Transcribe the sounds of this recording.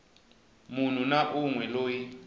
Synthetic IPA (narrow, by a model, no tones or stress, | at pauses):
mun̤unaʔuŋwɛloːji